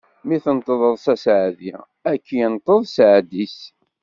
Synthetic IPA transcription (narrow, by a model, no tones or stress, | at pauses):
miθənt̪ˤːəðˤəðˤsæsʕði | ækːijənt̪ˤːəðˤsʕd̪is